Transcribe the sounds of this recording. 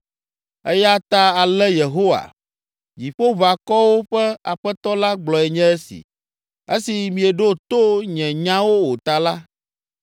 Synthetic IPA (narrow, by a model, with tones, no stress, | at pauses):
ɛ˦ja˦t̪a˦a˨lɛ˦je˨ɦo˦wa̰˨ | d͡ʑi˨ɸo˦va˨kɔ˦wo˦ɸɛ˦a˨ɸɛ˦t̪ɔ˦la˦ɡ͡blɔ˨ɛ˨ɲɛ̃˦ɛ˦sḭ˨ | e˦si˨mĩ˨ɛ˨ɖo˦t̪o˦ɲɛ̃˨ɲã˦wo˦wo˨t̪a˨la˦